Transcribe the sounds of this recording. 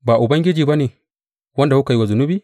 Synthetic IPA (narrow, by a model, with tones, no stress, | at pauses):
baː˨ʔʊ˨bɐ˦ŋɡʲɪ˦d͡ʒiː˨ba˦ne˨ | wɐ˦nda˨wu˦ka˨ji˦wa˨zʊ˨nʊ˦biː˦